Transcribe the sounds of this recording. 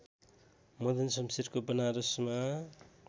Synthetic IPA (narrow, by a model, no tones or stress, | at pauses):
mʌd̪ʌnsʌmsiɾkobʌnaɾusma